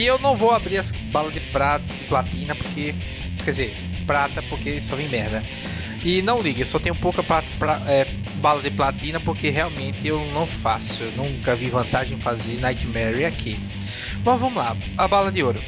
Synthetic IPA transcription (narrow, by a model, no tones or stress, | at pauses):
ɪewnɐ̃w̃vowabɾiɾɐs | balɐd̪ɪpɾat̪ɐd̪ɪplat̪ĩnɐpoɾke | kɛd̪ɪzeɾ | pɾat̪ɐpoɾkesɔvẽj̃mɛɾd̪ɐ | ɪnɐ̃w̃liɡʊewsɔt̪ẽɲ̃ʊ̃powkɐpɾapɾaɛ | balɐd̪ɪplat̪ĩnɐpoɾkeɦeawmẽnt̪ɪewnɐ̃w̃fasʊewnũkɐvivɐ̃nt̪aʒẽj̃fazenajt͡ʃ̪ɪmɛɾiakʰi | mɐzvɐ̃mʊla | ɐbalɐd̪ɪoɾʊ